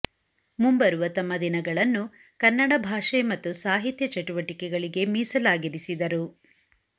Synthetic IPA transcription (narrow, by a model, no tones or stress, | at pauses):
mumbɐɾuʋɐt̪ɐmːɐd̪inɐɡɐɭɐnːu | kɐnːɐɽɐbʱaːʂemɐt̪ːusaːɦit̪jɐt͡ʃɐʈuʋɐʈikɛɡɐɭiɡe̞miːsɐlaːɡiɾisid̪ɐɾu